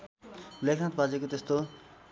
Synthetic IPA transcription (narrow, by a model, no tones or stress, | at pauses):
lekʰnat̪bad͡zekot̪est̪o